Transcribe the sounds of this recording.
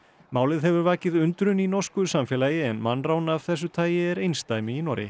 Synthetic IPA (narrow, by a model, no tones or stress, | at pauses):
maːwlɪðɦɛvʏɾvaːcɪðʏnt̪ɾʏninɔ̥skʏsamfɛːlaːjɪɛnmanːraːwnavθɛs̬ːʏt̪ʰaːjɪɛɾejnst̪aːjmɪinɔɾɪ̰